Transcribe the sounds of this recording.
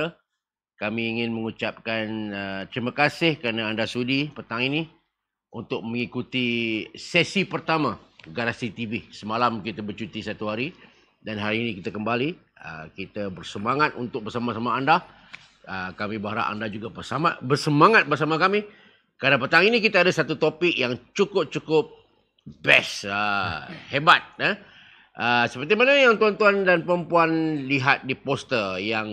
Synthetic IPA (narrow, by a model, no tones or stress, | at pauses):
ə | kamĩːŋɪnməŋut͡ʃap̚kanət̪ɾimakasɪhkəɾanaandasudipət̪aŋini | unt̪ʊk̚məŋikut̪isɛsipərt̪amaɡaɾasit̪ivisəmalamkit̪əbərt͡ʃut̪isat̪uɦaɾi | danɦaɾiːnĩkit̪akəmbaliə̰kit̪əbərsəmaŋat̪unt̪ʊk̚bərsamasamaːnda | əkamĩbaɦaɾa̰ʔa̰ndad͡ʒuɡabərsama̰bərsəmaŋat̪̚bərs̬amakami | kɾadapət̪aŋinĩkit̪aadasat̪ut̪opɪkjaŋt͡ʃukʊp̚t͡ʃukʊp̚ | bɛsəhebat̪̚ə | ʔəsəpərt̪imanajaŋt̪uant̪uandanpəɾəmpuanliɦat̪̚dipost̪ərjaŋ